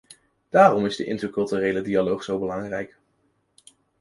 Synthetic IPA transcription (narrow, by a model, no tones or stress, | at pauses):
d̥aːrɔmɪzdəʔɪ̰ntərkɵlˠtyːrejlədialowχz̥owbəlɑŋrɛjk